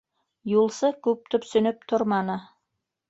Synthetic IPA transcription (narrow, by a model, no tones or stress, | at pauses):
julˠsɤkʉp̚t̪opsɵ̆nɵp̚t̪ʰoɾmɑnɤ